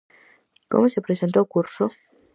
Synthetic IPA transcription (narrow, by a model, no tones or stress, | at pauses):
ko̰mosepɾesentokuɾso